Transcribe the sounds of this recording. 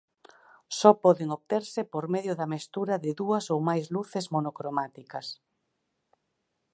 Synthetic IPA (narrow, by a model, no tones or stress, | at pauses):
sɔpɔðeŋoβt̪eɾsɪpoɾmeðjʊðɐmest̪uɾɐðɪðuɐsowmajzluθɪzmonokɾomat̪ikɐs